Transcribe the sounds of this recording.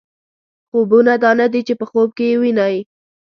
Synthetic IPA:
xobunad̪ɑnad̪it͡ʃepəxob̚kejewinɑji

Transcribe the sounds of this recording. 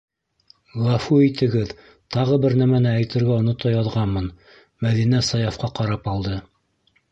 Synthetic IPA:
lˠɑfuit̪ɘ̆ɡɘð | t̪ɑʁɤbɘɾnæmænɘæjt̪ɘ̆ɾɡæŏnŏt̪ɑjɑðʁɑnmɤn | mæðinæsɑjɑfqɑqɑɾɑpɑlˠd̪ɤ

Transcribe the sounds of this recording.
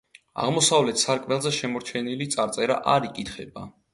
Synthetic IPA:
a̰ʁmɔsavlɛt̪ʰsaɾkʼmɛlˠzɛʃɛmɔɾt͡ʃʰɛnilit̪sʼaɾt̪sʼɛɾa̰ʔaɾikʼit̪χɛba

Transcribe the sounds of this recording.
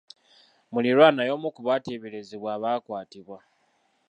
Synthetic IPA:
muliɾwaːnajo̞ːmukuβateβeleziβwaːβaːkwaːtiβwa

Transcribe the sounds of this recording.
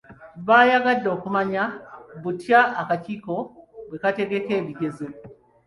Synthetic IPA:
βajaɡadːo̞ːkumaɲaβutjaːkaciːko̞we̞kate̞ɡe̞ke̞ːβiɡe̞zi

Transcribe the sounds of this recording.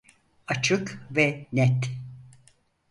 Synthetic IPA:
at͡ʃʰɯkvɛnɛt̪

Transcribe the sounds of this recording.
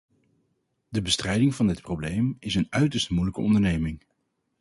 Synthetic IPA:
dəbəstrɛjdɪŋvɑndɪt̚prowblejmɪsənœɥtəɹstmujləkə̰ɔ̰ndəɹnejmɪŋ

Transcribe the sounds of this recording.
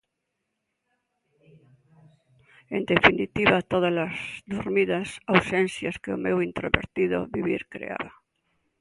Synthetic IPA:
end̪efinit̪iβat̪oð̞alazd̪uɾmiðasawsensjaskeomewint̪ɾoβḛɾt̪iðo̰βiβiɾkɾḛa̰βa

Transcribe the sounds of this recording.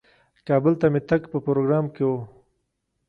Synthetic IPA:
kɑːbəlt̪amet̪akpəpɾoɡɾɑːmkewo

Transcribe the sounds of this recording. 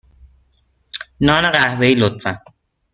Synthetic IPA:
nɒːneɢæhveilot̪fæn

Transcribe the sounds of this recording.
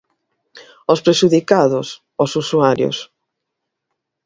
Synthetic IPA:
ospɾeʃuðikaðʊs | osusuaɾjo̰s

